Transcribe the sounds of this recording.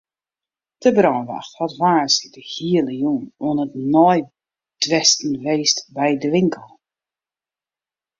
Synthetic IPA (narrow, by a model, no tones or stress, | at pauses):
d̥əbrɔːnʋa̰xthɔtʋaːsidəhiələjunuənətnɔj | dʋɛstn̩ʋeːstbɛjdəʋɪŋkʰəlˠ